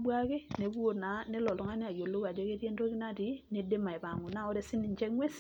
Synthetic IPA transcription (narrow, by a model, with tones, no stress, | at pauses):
bwa˦ke˦ne˨bwo˦˨tna˨nɛ˦lɔ˨lɔ˨ŋa˦ni˦a˨jo˨lo˦ka˨d͡ʒɔ˦ke˦tje˦nto˦ki˦na˦˨ti˨˦ni˨de˦ma˨e˨pa˨ŋu˨na˦ɔ˦ɾɛ˦sɪ˦ni˨ɲt͡ʃɛ˦ŋwɛ˦s